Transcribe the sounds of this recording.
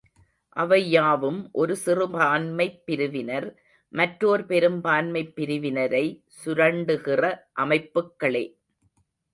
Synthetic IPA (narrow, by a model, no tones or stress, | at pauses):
ʔɐʋɐjaːʋɯmʔɔɾɯsɪrɯbaːnmɐɪpːɪɾɯʋɪnɐɾ | mɐʈɾoːɾpɛɾɯmbaːnmɐɪpːɪɾɯʋɪnɐɾɐɪ | sʊɾɐɳɖɯɣɪrɐʔɐmɐɪpːɯkːɐɭḛː